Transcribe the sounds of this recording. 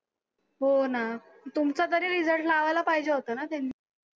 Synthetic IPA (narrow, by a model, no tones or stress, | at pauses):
ɦona | t̪umt͡sat̪̬əɾiɾid͡zəɽʰlaʋajlapaɦid͡ʑeɦot̪ənat̪jani